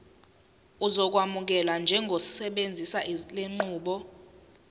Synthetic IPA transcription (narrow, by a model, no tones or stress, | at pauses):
uzɔk̬wamuk̬ɛland͡ʒʱɛŋɡʱosi̥sɛɓend͡zʱisaʔileŋ͡ǃuːɓɔ